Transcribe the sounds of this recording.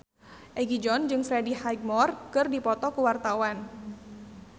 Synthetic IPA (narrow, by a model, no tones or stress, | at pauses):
ʔɛɡid͡ʒɔnd͡ʒɨŋfɾedihajɡ̚mɔrkɨrdipɔt̪ɔkuwart̪awan